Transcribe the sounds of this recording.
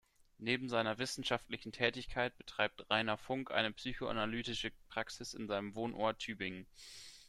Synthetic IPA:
neːbm̩zaɪnɐvɪsn̩ʃaftlɪçn̩tʰɛːtɪçkʰaɪt̚b̥ə̥tʁ̥aɪp̚tʁaɪnɐfʊŋkʔa̰ɪnəpsyːçoʔa̰nalyːtɪʃəpʁ̥aksɪsɪnzaɪnəmvoːnʔoːɐtʰːyːbɪŋə

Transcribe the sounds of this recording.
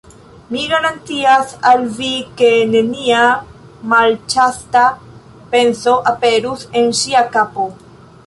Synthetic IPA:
miɡaɾant̪iasalvike̞ne̞nia | malt͡ʃasta | pe̞nso̞ʔape̞ɾuse̞nʃiakapo̞

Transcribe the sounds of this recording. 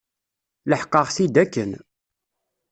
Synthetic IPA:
ləħqːəʁsid̪ækːən

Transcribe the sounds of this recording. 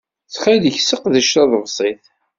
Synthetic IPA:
θχæðəçsəqðəʃtɑðˤəvsˤiθ

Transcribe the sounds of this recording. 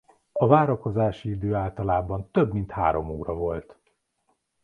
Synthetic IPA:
ɒvaːɾɒko̞zaːʃiid̪øːaːlt̪ɒlaːbɒnt̪øbmint̪ha̰ːɾo̞muːɾɒvo̞lt̪

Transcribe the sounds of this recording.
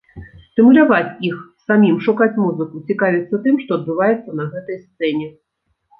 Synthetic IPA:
st̪ɨmulʲavat͡sʲixsamʲimʂukat͡sʲmuzɨkut͡sʲikavʲit̪sːɐt̪ɨmʂt̪ɔɐd̪̚bɨvajɛt̪sːɐnɐɣɛt̪ɐjst̪sɛnʲɛ

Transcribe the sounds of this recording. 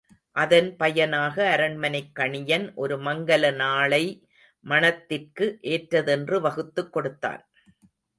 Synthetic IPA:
ʔɐðɐnpɐjɐnaːɣɐːɾɐɳmɐnɐɪkːɐɳɪjɐnʔɔɾɯmɐŋɡɐlɐnaːɭɐɪ | mɐɳɐt̪ːɪrkɯʔeːʈɾɐðɛndrɯʋɐɣɯt̪ːɯkːɔɽɯt̪ːa̰ːn

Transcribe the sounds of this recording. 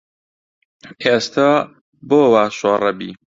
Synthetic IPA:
est̪a | boːwaːʃoːrɐbḭː

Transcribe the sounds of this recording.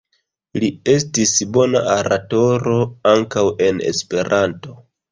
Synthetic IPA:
lie̞stisbo̞na̰ʔaɾato̞ɾo̞aŋkawe̞ne̞̰spe̞ɾʔanto̞

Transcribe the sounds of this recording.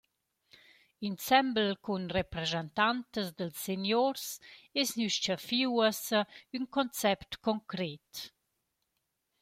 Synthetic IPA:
insɛmblkunrepɾezɛnt̪ant̪əsd̪əlsːenjoɾsesnyʃt͡ʃəfiwəsəynkɔnt͡sɛpt̪kɔŋkɾet̪

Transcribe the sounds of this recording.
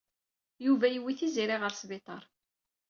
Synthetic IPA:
juvæjəwːiθiziɾiʁəɾsbɪt̪ˤɑɾˤ

